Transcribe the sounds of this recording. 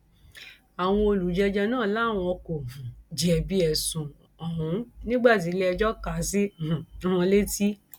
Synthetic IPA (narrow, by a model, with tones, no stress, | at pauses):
a˨w̃ɔ̃˧o˧lu˨˦d͡ʒɛ˧d͡ʒɛ˧nãː˦˨la˦˨w̃ɔ̃˧ɔ˧kõ˨d͡ʒi˨ɛ˨bi˧˦ɛ˨sũ˨ | ɔ˨ɦũ˨˦nĩ˦ɡ͡ba˦˨t̬i˨˦lɛ˦ɛ˧d͡ʒɔ˦ka˨˦sĩ˦˨˦w̃ɔ̃˧le˦ti˦